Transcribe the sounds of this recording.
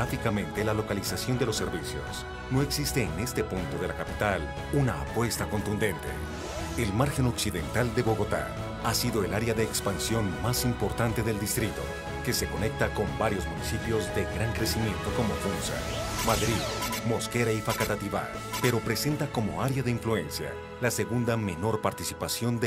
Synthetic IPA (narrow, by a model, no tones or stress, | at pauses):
afikamẽ̞nt̪elalo̞kalisasjo̞nd̪elo̞sːe̞ɾβisjo̞̰s | no̞e̞ksist̪e̞ːne̞st̪e̞punt̪o̞ð̞e̞lakapi̥t̪al | una̰a̰pwe̞st̪ako̞nt̪und̪e̞nt̪ḛ | elmaɾxe̞no̞ksiðe̞̰nt̪ald̪e̞βo̞ɣo̞t̪a̰ | asiðo̞e̞laɾeaðe̞ːkspansjo̞nmasimpo̞ɾt̪ant̪e̞ðe̞ld̪ist̪ɾit̪o̞̰ | ke̞se̞ko̞ne̞k̚t̪ako̞mbaɾjo̞zmunisipjo̞zðe̞ɡɾaŋkɾe̞simje̞nt̪o̞ko̞mofunsa̰maðɾiðmo̞ske̞ɾaifakat̪at̪iβa̰ | pe̞ɾo̞pɾe̞se̞nt̪ako̞mo̞̰aɾjaðeiɱflue̞nsja̰ | lase̞ɣund̪ame̞no̞ɾpaɾt̪isipasjo̞nd̪